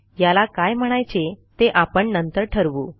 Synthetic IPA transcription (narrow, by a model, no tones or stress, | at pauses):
jalakajm̤əɽ̃ajt͡set̪eʔapəɳnənt̪əɾʈʰəɾʋuː